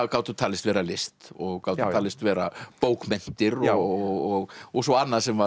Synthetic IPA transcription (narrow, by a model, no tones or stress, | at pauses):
kaːwt̪θut̪ʰaːlɪst̪vɛːɾalɪst̪ɔɣkawt̪ʰaːlɪst̪vɛːɾapoːwkmɛn̥t̪ɪɾɔɔɣɔɣɔsɔanːaðsɛmva